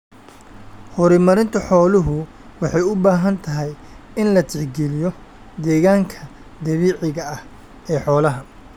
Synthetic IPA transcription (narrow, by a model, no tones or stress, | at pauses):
hɔɾɪmɐɾɪnt̪ʰɐħɔːlʊɦʊ | wɑħɑjʊbaːɦɐnt̪ʰɐɦɛj | ɪnlɐt̪ʰɪħɡɛlɪjɔ | d̪ɛːɣaːŋkʰɐ | d̪ɐβiːʕɪɣɐɐh | ɛːħɔːlɐɦɐ